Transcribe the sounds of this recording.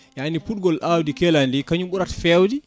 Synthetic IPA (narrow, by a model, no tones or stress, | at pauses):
janipuɗ̚ɡɔlʔawdikɛlandikaɲuɓuɾatfɛwdi